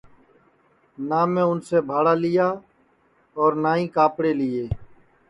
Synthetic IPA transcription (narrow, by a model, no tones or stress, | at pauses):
naːmẽːʊnseːbʱaːɽaːlɪjaː | ɔːɾnaːĩːkaːpɽeːlɪːeː